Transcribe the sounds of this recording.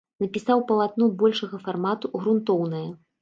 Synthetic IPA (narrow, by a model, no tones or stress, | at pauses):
nɐpʲisawpɐlˠat̪nubɔlʲʂɐɣɐfarmat̪uɣɾunt̪ɔwnɐjɐ